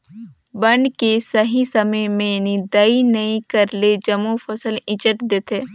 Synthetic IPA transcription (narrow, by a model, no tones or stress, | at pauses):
bɐɳkesɐɦisɐməjmẽjɐnid̪ɐinɐĩkɐɾled͡ʒɐmofɐsəlɪ̃t͡ʃəʈd̪eːt̪ʰeː